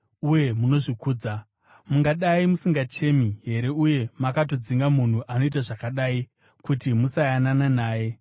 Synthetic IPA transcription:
uje̞muno̞ʐikuːd͡za | muŋɡaɗaimusiŋɡat͡ʃe̞miɦe̞ɾe̞uje̞makato̞d͡ziŋɡamun̤uʔano̞itaʐakaɗaːi | kutimusajanananaːje̞

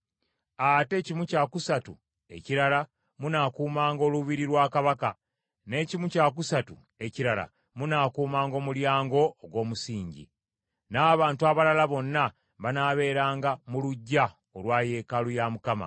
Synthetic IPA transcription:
ate̞cimucakusatṵ | e̞̰ciɾala | munakuːmaːŋɡo̞ːluβiɾiɾwaːkaβaka | ne̞ːcimucaːk̬usatṵ | e̞ciɾala̰ | munakuːmaːŋɡo̞ːmuljaːŋɡo̞ːɡwo̞ːmusiːɲɟḭ | naːβaːntuaβalalaβo̞nːa | βanaːβe̞ːɾaːŋɡamuluɟːa | olwaːje̞ːkalujamukama̰

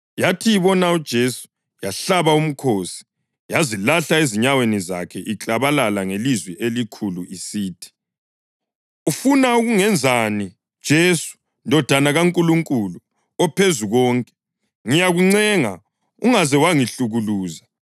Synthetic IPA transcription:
jatʰijiβɔnaud̥ʒ̥ʱesu̥ | jaɬaβaum̩kʰosi̥ | jazilaɬaeziɲaweniza̰kʰɛʔiǁʼaβalalaŋelizwɛʔelikʰuluisiːtʰi̥ | ufunauɣuŋɛnd͡zʱani | d̥ʒ̥ʱesu̥ | ndʱɔd̥ʱanaɣaŋkʼuluŋkʼulu | ɔpʰezuɣɔːŋkʼɛ̥ | ŋijaɣuŋ͡ǀɛŋa̰ | uŋazɛwaŋiɬuɣuluːza

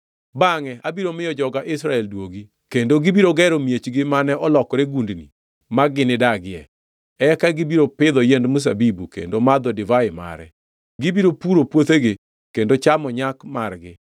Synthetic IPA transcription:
baŋɛabiɾomɪjɔd͡ʒɔɡaʔɪsɾaɛldwoɡi | kendoɡɪbiɾoɡɛɾomjet͡ʃɡɪmanɛʔɔlɔkɔɾeɡundnḭ | maɡɪnɪdaɡɪɛ | ɛkaɡɪbiɾopɪd̪ɔjendmus̬a̰bibukḛndomad̪ɔdɪvaɪma̰ɾɛ̰ | ɡɪbiɾopuɾopwot̪eɡɪ | kendot͡ʃamɔɲakmarɡɪ

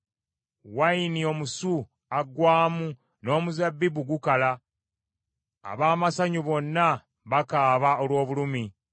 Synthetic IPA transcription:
wainio̞musu | aɡwaːmu | no̞ːmuzabːibuɡukala | βaːmasaɲuβo̞nːa | βakaːβaolwo̞ːβulumi

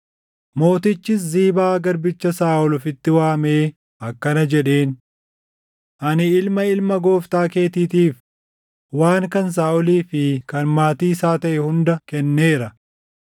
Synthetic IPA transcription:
mo̞ːt̪ɪt͡ʃːɪs̬ziːbaːɡɐɾbɪt͡ʃːɐsaːʔɔlɔfɪt̪ːɪwaːme̞ː | ʔɐkːɐnɐd͡ʒɛᶑe̞ːn | ʔɐnɪɪlmɐɪlmɐɡo̞ːft̪aːke̞ːt̪iːt̪iːf | waːŋkɐns̬aːʔɔliːfɪkɐnmaːt̪iːɪsaːt̪ɐʔɛhʊnd̪ɐkɛnːe̞ːɾɐ

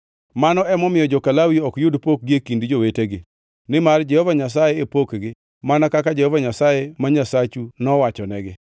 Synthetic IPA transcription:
manɔɛmɔmɪjɔd͡ʒɔkalawiɔkjʊdpok̚ɡiekindd͡ʒoweteɡɪ | nɪmard͡ʒɛhɔvaɲas̬ajeepokɡɪ | manakakad͡ʒɛhovaɲasajemaɲasat͡ʃunɔwat͡ʃɔnɛɡɪ

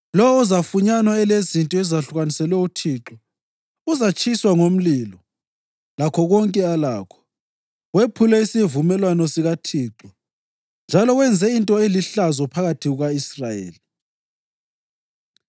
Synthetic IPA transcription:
lɔwuzafuɲanwaɛlezintʼɔɛzaɬuɣanisɛlwɛutʰiːǁɔ | uzat͡ʃʼiswaŋom̩lilɔ | lakʰɔɣɔŋkʼɛalaːkʰɔ̥ | wepʰulɛisivumɛlwanɔsiɣatʰiːǁɔ | nd͡ʒʱalɔɣwɛnd͡zʱɛintʼɔeliɬazɔpʰaɣatʰiɣuɣaisrajḛːli

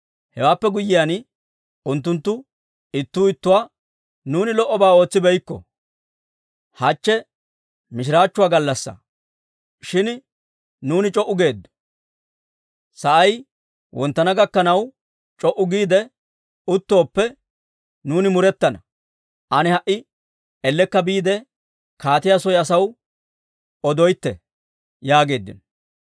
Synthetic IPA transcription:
hɛwaːpːɛɡʊjːɪjaːn | ʊnt̪̬ːʊnt̪ːʊ | ɪt̪ːuːɪt̪ːʊwaː | nuːnɪlɔʔːɔbaːo̞ːt͡sːɪbɛjkːɔ̰ | hɐt͡ʃːɛ | mɪʃ̬ɪɾaːt͡ʃːʊwaːɡɐlːɐsːɐ̰ | ʃɪn | nuːnɪt͡ʃʼɔʔːʊɡe̞ːd̪ːɔ̥ | sɐʔɐj | wʔɔnt̪ːɐnɐɡɐkːɐnɐw | t͡ʃʼɔʔʊɡiːd̪ɛ | ʊt̪ːo̞ːpːɛ | nuːnɪmʊɾɛt̪ːɐnɐ | ʔɐnɛhɐʔːɪ | ɛlːɛkːɐbiːd̪ɛ | kaːt̪ɪjasɔjɐsɐw | ɔd̪ɔjt̪ːɛ | jaːɡe̞ːd̪ːɪ̰nɔ

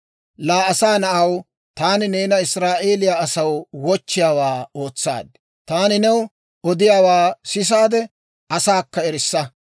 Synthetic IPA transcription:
laːɐsaːnɐʔɐw | t̪aːnɪneːnɐɪsɾaːʔe̞ːlɪjaːɐsɐwwɔt͡ʃːɪjaːwaːo̞ːt͡sːa̰ːd̪̚ | t̪aːnɪnɛw | ɔd̪ɪjaːwaːsɪs̬aːd̪ɛ | ʔɐsaːkːɐɛɾɪsːɐ

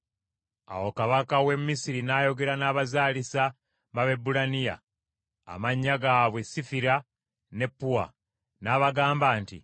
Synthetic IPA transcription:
a̰wo̞kaβakawe̞mmːisiɾinajo̞ɡe̞ɾanaːβazaːlisa | βaβe̞bulanija̰ː | maɲːaɡaːβwe̞sifiɾa | ne̞pːuwa̰ | naːβaɡaːmbaːntḭ

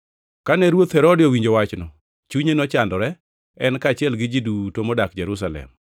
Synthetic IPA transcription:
kanɛɾwot̪hɛɾodɪowiɲd͡ʒowat͡ʃnɔ | t͡ʃuɲenɔt͡ʃandɔɾɛ | ɛnkaːt͡ʃɪɛlɡɪd͡ʒidutomodakd͡ʒɛɾus̬alɛ̰m

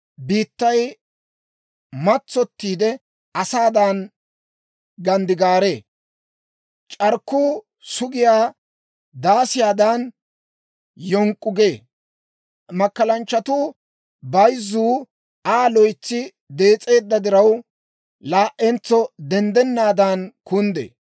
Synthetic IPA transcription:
biːt̪ːɐj | mɐt͡sːɔt̪ːiːd̪ɛ | ɐsaːd̪an | ɡɐnd̪ɪɡaːɾe̞ː | t͡ʃʼɐɾkːuː | sʊɡɪjaː | d̪aːsɪjaːd̪an | jɔŋkʼːʊɡeː | mɐkːɐlɐnt͡ʃːɐt̪uː | bɐjzːuː | aːlɔjt͡sːɪ | d̪e̞ːt͡sʼe̞ːd̪ːɐd̪ɪɾɐw | laːʔɛnt͡sːɔd̪ɛnd̪ɛnːaːd̪ankʊnd̪ḛː

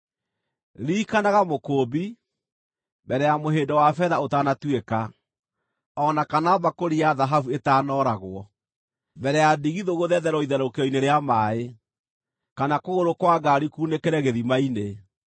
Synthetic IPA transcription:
ɾikanaɣamokoːbi | bɛɾɛjamoɦeːndɔwafɛðaotaːnatweka | ɔnakanaɔbakoɾiaðaɦavuetaːnɔɾaɣwɔ | bɛɾɛjadiɣiðoɣoðɛðɛɾɔiðɛɾokeɔineɾeamae | kanakoɣoɾokwaɡaɾikuːnekɛɾɛɣeðimaine

